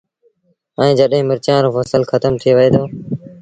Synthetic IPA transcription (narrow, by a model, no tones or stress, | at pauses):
ə̃ːd͡ʒəɗɦẽːmɪɾt͡ʃãːnɾoːfəsəlxʰət̪əmt̪ʰiːʋəeːd̪oː